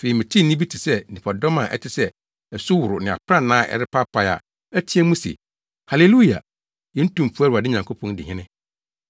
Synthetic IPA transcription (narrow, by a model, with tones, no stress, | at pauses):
fe˨i˨mɪ̃˨tʰi˦˨nĩ˦bi˦tʰɪ˨sɛ˦nɪ̃˨pʰɔ˨dɔ˦mã˨ʔɛ̰˦tʰɪ˨sɛ˦ | ɛ˨sʊ˦wʊ˨ɾʊ˨nɪ̃˨a̰˨pʰɾã˦nãː˦ʔɛ̰˨ɾɪ˦pʰa˦pʰa˨ja̰˨ | æ˦tʰi˦ɛ˦mũ˦sḛ˨ | ha˨le˨lu˦i˨a̰˨ | jɛ̃˦n̩˦tũ˨m˨fu˦æ˦ɾu˨a˨dɪ˦ɲã˨ŋkʰo˦pʰɔ̃˦n˦dɪ˨ɪ̃˦nɪ̃˦